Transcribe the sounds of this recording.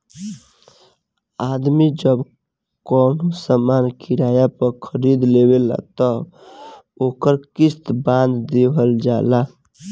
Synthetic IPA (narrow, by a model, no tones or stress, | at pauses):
ad̪mid͡ʒəb | kɔnosəmankʰiɾajapəɾkʰəɾid̪leβela̰t̪ɔ | okəɾkist̪bãnd̪d̪ebʱəld͡ʒala